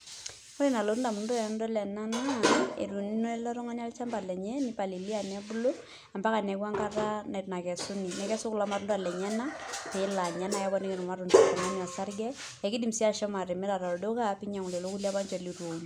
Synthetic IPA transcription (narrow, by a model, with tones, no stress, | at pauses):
o˦le˦˨na˨lo˨ɾu˦nda˨mu˨n˦dɔ˦n˦dɔ˦lɛ˨na˦na˦˨ḛ˨ɾu˨ni˦no˦i˦lɔ˦ɾɔ˦ŋa˦na˦lt͡ʃa˦mba˨lɛ˨ɲɛ˦ni˦pa˨li˨li˦a˨nɛ˦bu˦lo˦ | a˨mba˦ka˨nɛ˨kwa˦ŋka˦ɾa˦na˨tna˨kɛ˨su˦ni˨nɛ˨kɛ˦sʊ˦klɔ˦ma˨ɾu˦nda˨lɛ˨ɲɛ˦na˦pɛ˨ɪ˦la˨ɲɛ˦na˨jɛ˦bɔ˦nɛ˦kɛ˨nu˨ma˦ɾu˨nta˨tɔ˨ŋa˦na˨sa˦ɾɡɛ˦ | ɛ˨ki˦di˨msi˦a˦˨ʃɛ˦ma˨ɾɛ˨mɛ˦ɾa˨ɾa˨ɾo˨do˦ka˦pi˦ɲa˨ŋu˨le˨lo˦ku˦lia˦ba˦nt͡ʃɔ˨li˨ɾwo˨n